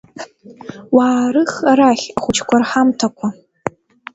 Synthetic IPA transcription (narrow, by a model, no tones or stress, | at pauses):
waːɾɨχaɾaχʲaχʷʊt͡ʃʰkʷʰarħamtʰakʷʰa